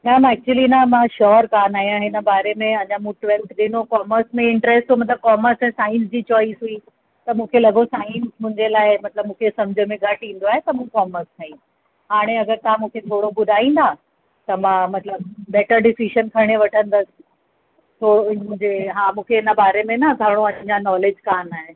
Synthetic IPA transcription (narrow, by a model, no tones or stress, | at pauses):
nɐmɛːk̚t͡ɕuəlinɐmãʃɔːɾkaːnaːjãɦɪnə̆baːɾemẽɐɲãmũːʈʋɛ̃lʈɗɪnokɔːməɾsmẽɪ̃ɳʈɾɛsʈt̪ʰomɐt̪ləb̚kɔːməɾsɛ̃ːsaːɪ̃ns̬d͡ʑiːt͡ɕɔːisɦui | t̪ɐmũːkʰelɐɡosaːɪ̃nsmʊ̃ɪ̃ɲd͡ʑelaːɪmɐt̪ləbmũːkʰesɐmd͡ʑʱəmẽɡʱɐʈĩːn̆d̪oaːɦet̪ɐmũkɔːməɾst̪ʰɐĩ | ɦaːɽ̃eɐɡəɾt̪ɐãmũːkʰet̪ʰoːɽobʊd̪ʱaːĩːn̆d̪aː | t̪ɐmãmɐt̪ləb̚ːɛːʈəɾɖɪsiʃənkʰɐɽ̃eʋɐʈʰə̃nd̪əsɪ̥ | t̪ʰoːmũɦɪ̃ɲd͡ʑeɦaːmũːkʰeɦɪnəbaːɾemẽnɐɡʱɐɾɽ̃oɐ̃d͡ʑãnɔːlɪd͡ʑkaːnaːɦɪ